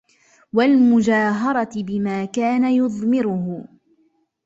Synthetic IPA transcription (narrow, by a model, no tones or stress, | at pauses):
walmʊd͡ʒaːɦɑɾˤɑt̪bɪmaːkaːnajʊðˤmɪɾʊɦʊ